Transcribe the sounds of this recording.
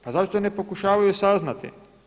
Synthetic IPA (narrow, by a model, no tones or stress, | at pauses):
pazaʃt̪one̞po̞kuʃaːʋajusaznat̪ḭ